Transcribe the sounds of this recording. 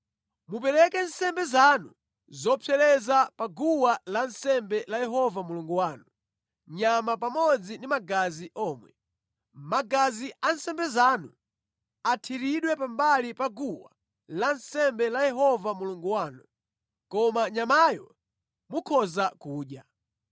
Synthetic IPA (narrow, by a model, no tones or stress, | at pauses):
mup̬ɛɾɛkɛnsɛmbɛzanu | zɔpʰɛlɛzapaɡuwalansɛmbɛlajɛɦɔvamuluŋɡuwaːnu | ɲamapamɔd͡zindimaɡaziʔɔːmwɛ | maɡaziʔan̩sɛmbɛzaːnu | atʰiɾiɗwɛpambalipaɡuwa̰ | lansɛmbɛlajɛɦɔvamuluŋɡuwaːnu | kɔmaɲamajɔ | mukʰɔzakuːɗja